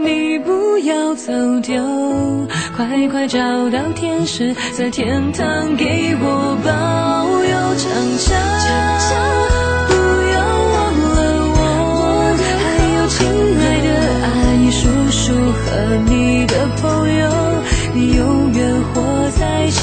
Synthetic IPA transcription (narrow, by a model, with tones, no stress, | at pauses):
ni˨˩pu˧˥jɑ˧ʊt͡so˨˩ʊt̪jo˧ | kʰwa˧˥ɪkʰwa˥˧ɪʈ͡ʂɑ˨˩ʊt̪ɑ˥˧ʊt̪ʰjɛ˥nʂɻ̩˧˥t͡sa˥˧ɪt̪ʰjɛ˥nt̪ʰɑ˥ŋke˧˥ɪwɔ˨˩bɑ˥˧jo˧˥ʊʈ͡ʂʰɑ˨˩ŋɕɑ˥˧ŋʈ͡ʂʰɑ˨˩ŋɕɑ˥ŋ | pu˧jo˧ʊwɑ˥˩ŋlə˧ | wɔ˧˥ | xa˧˥ɪjo˨˩ʊt͡ɕʰi˧˥ŋna˧˥ɪd̪ə˧ | a˧ɪi˧ʂu˧˥ | ʂu˥˧˩xə˧˥ni˨˩d̪ə˧pʰə˧˥ŋjo˧ | ni˨˩jo˧ʊjə˧˥nxwɔ˧˥ | t͡sa˥˧ɪ